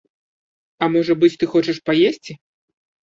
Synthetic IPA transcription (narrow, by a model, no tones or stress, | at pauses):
ɐmɔʐɐbɨt͡sʲt̪ɨxɔt͡ʂɐʂpajesʲt͡sʲi